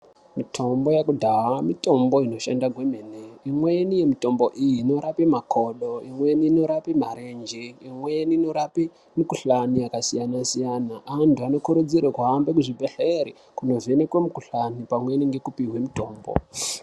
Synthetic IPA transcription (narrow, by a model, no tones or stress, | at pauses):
mitʰo̞mbo̞jakudʱaɦamito̞mbo̞ino̞ʃandaɡʱwe̞me̞neimwe̞nije̞mito̞mbo̞ʔijino̞ɾapimakʰo̞ɗo̞imwe̞niːno̞ɾapimaɾe̞nd͡ʒeimweniːno̞ɾapi | mikuɬanijakasijanasijanaʔantuano̞kuɾud͡ziɾekuambekuʐibʱeɬeɾi | kuno̞venekwemukuɬanipamwe̞niŋɡe̞kupiɦwe̞mito̞ːmbo̰